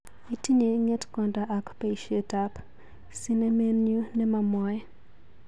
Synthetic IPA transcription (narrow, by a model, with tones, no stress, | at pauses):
i˨ti˦ne˨ŋe˦tkɔ˨nda˨ʔa˨kpa˨i˨ʃe˦tap | si˦ne˦me˦nju˦nɛ˦ma˨mɔ˦j